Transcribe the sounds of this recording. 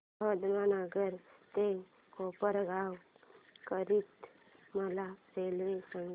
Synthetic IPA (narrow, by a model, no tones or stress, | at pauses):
əd̪manaɡəɾt̪e | kopəɾɡʱawkəɾit̪ | məlaselʋesəŋ